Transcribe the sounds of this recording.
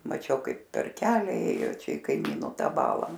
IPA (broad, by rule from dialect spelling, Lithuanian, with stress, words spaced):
mɐˈt͡ʃʲɛʊ ˈkɐɪp pʲɛr ˈkʲæːlʲɛ ˈeːjoː ˈt͡ʃʲɛ ɪ kɐɪˈmʲiːnoː ˈtɑː ˈbɑːlˠɑː